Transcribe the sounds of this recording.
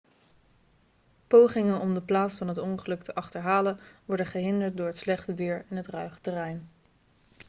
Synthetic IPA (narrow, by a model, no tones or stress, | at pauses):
powχɪŋənɔmdəplaːtsfɑnɦətɔnχəlɵktʰəʔɑχtəɹɦaːlənʋɔɹdəχəɦɪndəɹt̚dʊːɹɦətslɛχtəʋɪːɹɪnɦətrœɥχə̥tərɛjn